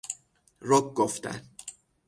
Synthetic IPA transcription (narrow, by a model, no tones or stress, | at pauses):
ɾokɡoft̪æ̰n